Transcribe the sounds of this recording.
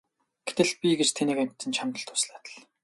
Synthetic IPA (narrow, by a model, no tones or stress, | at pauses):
ɡ̥et̪ɘ̆ɮ̚pʲiɡet͡ɕt̪ʰeniːkæm̥ʲt̪ːɘ̆nt͡ɕʰamt̪ə̆ɬt̪ʰʊsɮaːt̪ə̆ɮ